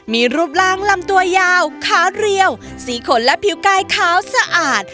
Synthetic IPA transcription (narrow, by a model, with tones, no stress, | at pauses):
miː˧ɾuː˦˥˩p̚laː˥˩ŋla˧mt̪u˧ɐjaː˧wkʰaː˦˥wɾi˧əw | siː˩˦kʰo˩˦nlɛ˦˥ʔpʰi˨˩˦wkaː˧jkʰaː˦˥wsa˧ʔaː˨˩t̪̚